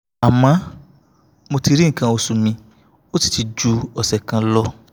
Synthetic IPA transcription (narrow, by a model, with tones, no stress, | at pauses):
a˨mã˨˦ | mo˧ti˧ɾi˦ŋ̩˨kã˧o˧su˧mĩ˧ | o˦ti̥˨ti˧d͡ʒu˧˦ɔ˨sɛ˨kã˧lɔ˦